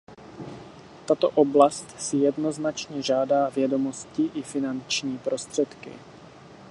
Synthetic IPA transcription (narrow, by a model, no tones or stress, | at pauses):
t̪at̪o̰ʔoblast̪sɪjɛdno̞znat͡ʃɲɛʒaːdaːvjɛdo̞mo̞scɪʔɪfɪnant͡ʃɲiːpɾo̞st̪r̝̥ɛt̪kɪ̰